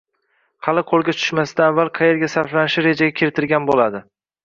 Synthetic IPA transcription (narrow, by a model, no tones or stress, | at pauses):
hʰɑlɪqʰolˠɡʲat͡ʃʰʊ̥ʃmasɪd̪aːvːalˠqʰɑje̞ɾɡʲasaɾflanɪʃɪɾe̞d͡ʒaɡʲakʲʰɪɾɪt̪ʰɪɾɡʲanbolad̪ɪ